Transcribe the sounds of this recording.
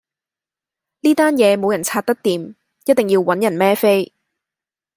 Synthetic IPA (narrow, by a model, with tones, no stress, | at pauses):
niː˥t̪aː˥njɛː˨˧mo˨˧wjɐ˨˩nt͡sʰaː˧t̪̚ɐ˥k̚t̪iː˨˧m | jɐ˥t̚t̪ɪ˨ŋjiː˧wwɐ˨˥njɐ˨˩nmɛː˥fe˥j